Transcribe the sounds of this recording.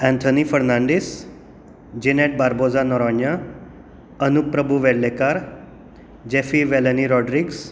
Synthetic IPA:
ɛ̃nt̪ʰonifəɾnãɳɖes | d͡ʑineʈ̚baɾbod͡zanɔɾɔnja | ənuk̚ːɾəbuʋeɽlekaɾ | d͡ʑefiʋeləniɾɔɖɾiɡs

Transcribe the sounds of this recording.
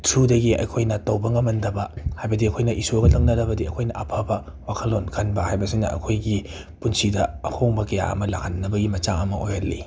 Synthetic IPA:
tʰudɐɡiɐ̰jkʰojnɐtɐwbɐŋɐmɐndɐbɐhajbɐdiɐkʰojnɐʔisoɡɐlɐŋnɐɾɐbɐdiɐkʰojnɐʔɐpʰabɐ | wakʰɐlːonkʰɐnbɐhajbɐsinɐ̰ʔɐ̰kʰojɡi | punsidɐɐhʰoŋbɐkɐja̰ɐ̰mɐlaŋhanːɐbɐɡimɐt͡ʃaŋɐmɐʔojɐlːḭ

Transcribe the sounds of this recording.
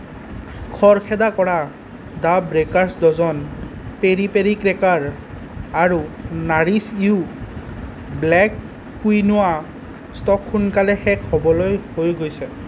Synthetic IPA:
kʰɔɹkʰɛdakɔɹa | dabɹekaɹsdɔzɔnpeɹipeɹikɹɛkaɹ | aɹunaɹisiu | blɛkː | ujnʊwa | stɔkxunkalɛxɛkʰːɔbɔlojhojɡojsɛ

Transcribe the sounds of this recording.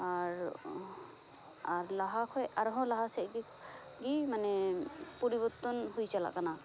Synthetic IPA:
aɾ | aɾlaɦakʰɔjaɾɦɔ̃laɦasɛʔ̚ɡi | ɡimanɛpɔɾibɔt̪ːɔnɦujt͡ʃala̰ʔkana

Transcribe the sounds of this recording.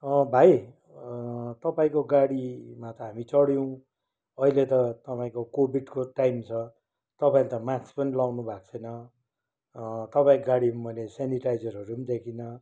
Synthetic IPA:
ʌbʱaj | t̪ʌpaĩkoɡaɽimat̪ʌɦamit͡sʌɽjʌw̃ | ʌilet̪ʌt̪ʌpaĩkokobʱiɖkoʈajmt͡sʰʌ | t̪ʌpaĩlet̪ʌmat͡sspʌnilawnubʱak̚t͡sʰʌjnʌ | t̪ʌpaĩkɡaɽimʌjleseniʈajd͡zʌrɦʌɾunid̪ekʰinʌ

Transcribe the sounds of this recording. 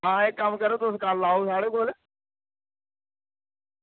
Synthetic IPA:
ɦãːekəmkəɾoːt̪ʊskaːlːaːosaːɽeːkoːl

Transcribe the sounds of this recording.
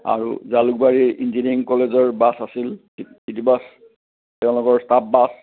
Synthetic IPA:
a̰ɹṵzaluk̚baɹiɹḭnziniŋkɔlezɔɹbasasil | titibas | tɛʊ̃lɔɡɔɹstap̚bas

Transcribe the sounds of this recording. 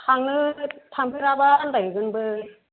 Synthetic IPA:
haŋnɯtʰaŋpʰɯɾabaːndaɡiɡɯnbɯ

